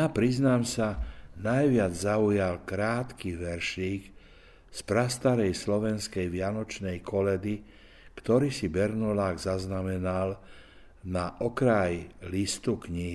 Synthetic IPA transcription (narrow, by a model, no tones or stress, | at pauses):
apɾiznaːmsanajʋɪad͡zzaujalkɾaːt̪kiʋɛɾʃiːk | spɾast̪aɾɛjslɔʋɛnskɛjʋɪanɔt͡ʃnɛjkʰɔlɛd̪i | kt̪ɔɾiːsibɛɾnulaːɡzaznamɛnal | naʔɔkɾajlist̪ukɲiɦi